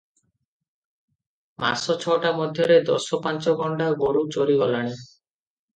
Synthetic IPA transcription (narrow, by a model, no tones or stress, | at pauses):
mʔa̰ɾsɔt͡ʃʰɔʈamɔd̪ʱjɔɾed̪ɔ̰sɔpant͡ʃɔɡɔɳɖaɡoɾut͡ʃoɾiɡɔlaɽ̃i